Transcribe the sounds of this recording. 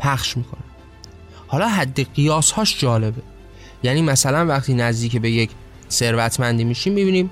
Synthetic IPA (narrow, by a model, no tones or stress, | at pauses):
pʰæχʃmiːkʰo̞nim | hɒːlɒːɦæd̪ːeɢijɒːshɒːʃd͡ʒɒːle̞be̞ | jæːniːmæsælænvæxt̪ʰiːnæzd̪iːcebe̞je̞cʰ | se̞ɾvæt̪ʰmænd̪iːmiːʃiːmːibiːniːm